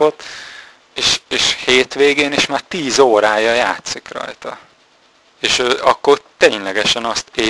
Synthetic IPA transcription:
ot̪ː | eːʃeːʃheːt̪ʋeːɡeːniʃmaːrt̪iːzoːɾaːjɒjaːt̪sikrɒ̰jt̪ɒ̰ | eːʃøːɒkːout̪eːɲlɛɡɛʃɛnɒst̪eː

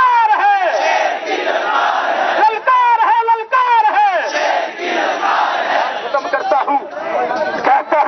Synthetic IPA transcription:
aɾəɦe | ləlkaɾəɦeləlkaɾəɦe | ɦʊt̪əmkəɾt̪aɦũ | kaka

